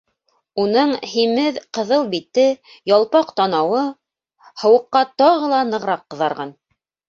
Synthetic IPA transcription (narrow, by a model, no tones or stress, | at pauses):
unɤɴhimɘðqɤ̆ðɤlˠbit̪ːɘ | jɑlˠpɑqt̪ɑnɑwɤ | hɤ̆wɤ̆qːɑt̪ɑʁɤ̆lˠɑnɤ̆ʁɾɑqːɤ̆ðɑɾʁɑn